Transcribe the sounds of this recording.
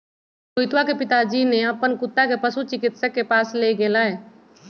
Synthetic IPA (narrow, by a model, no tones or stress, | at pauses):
sʊjt̪wakepɪt̪ad͡ʒineəpːənkʊt̪ːakepəsut͡ʃɪkɪt̪səkːepaːsleɡeːlaɦɛː